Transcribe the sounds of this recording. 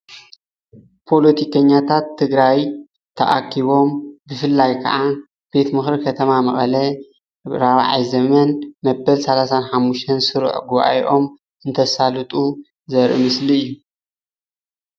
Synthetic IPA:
pʰo̞lot̪ʰikʰɐɲːat̪ʰat̪ʰːɨɡɾaj | t̪ʰɐ̰ʔa̰kʰːiβo̞mbɨfɨlːajkʰɐ̰ʔa | b̥e̞t̪mɨxɾikʰɐt̪ʰɐmamɐχʼɐlɐ | ɾaβ̰ʕa̰jzɐmɐnmɐbɐlsɐlasanħamːuʃt̪ʰɐnsɨɾ̰ʕɡuβʔa̰jʔo̞m | ʔɨnt̪ʰɐsalɨt̪ʼu | zɐɾʔḭmɨsliɨjːu

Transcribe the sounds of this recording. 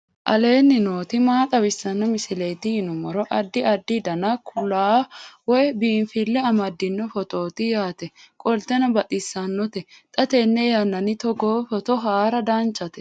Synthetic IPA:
ʔɐ̰le̞ːnːɪnoːt̪ɪmaːt̪ʼɐwɪsːɐnːɔmɪsɪleːt̪ɪhɪnʊmɔɾɔʔɐd̪ːɪɐd̪ːɪd̪ɐnɐkʰʊlːaːwɔjbiːnfɪlːɛɐmɐd̪ːɪnːɔfɔt̪o̞ːt̪ɪjaːt̪ɛkʼɔlt̪ɛnɐbɐt̪ʼɪsːɐnːɔt̪ɛt̪ʼɐt̪enːɛjɐnːɐnɪt̪ɔɡoːfɔt̪ɔɦaːɾɐd̪aːnt͡ʃʼːɐt̪ɛ̥

